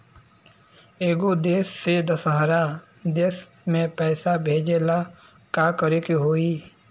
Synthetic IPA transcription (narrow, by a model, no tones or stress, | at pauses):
eːɡod̪eːsːed̪ɐsəɦɾa | d̪eːs | mẽpɛːsabʱeːd͡ʒela | kakəɾekiɦoːiː